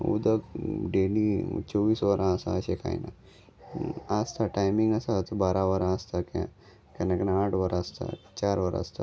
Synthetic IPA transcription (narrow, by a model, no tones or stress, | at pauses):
ṵd̪əkɖeːnit͡ʃoːʋiːsʋəɾãsa̰ʃekʰa̰ḭna̰ | ast̪ʰaʈajmĩŋɡɐsat̪baːɾaʋəɾãast̪akã̰ | kɐnaknaaːʈʰʋəɾast̪ʰa̰t͡ʃaːɾʋəɾa̰st̪ʰa